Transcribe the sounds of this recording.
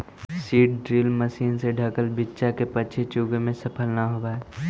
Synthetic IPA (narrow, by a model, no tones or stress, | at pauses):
siːʈ̚ɖɾiːlməsiːnseɖʱəkəlbɪtːt͡ʃakepəːt͡ʃʰet͡ʃuɡmẽsəpʰəlnaɦobaːɛ